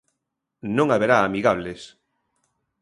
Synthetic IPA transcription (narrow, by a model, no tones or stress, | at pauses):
nõŋaβeɾaːmiɣaβ̞les